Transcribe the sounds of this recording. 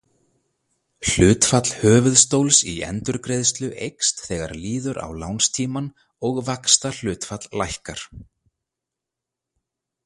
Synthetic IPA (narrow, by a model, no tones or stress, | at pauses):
l̥ʏːt̪fat̪l̥hœːvʏðst̪owlsḭɛ̰nt̪ʏɾkɾejðst̪lʏʔejkst̪θɛːɣa̰ɾliːðʏɾa̰wlawnst̪ʰiːman | ɔɣvakst̪al̥ʏːt̪fat̪lːajhkaɾ̥